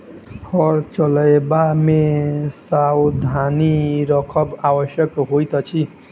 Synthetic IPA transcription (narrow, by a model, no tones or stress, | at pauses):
hʌɾt͡ʃʌlaebamesawd̪ʱaniɾʌkʰʌbawʌʃjʌkɦojt̪ʌt͡ʃʰi